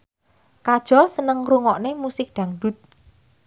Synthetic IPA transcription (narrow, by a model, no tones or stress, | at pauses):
kad̥ʒ̥ɔ̤lsənəŋruŋɔʔnemusɪk̚ɖ̪̥a̤ŋɖṳt̪̚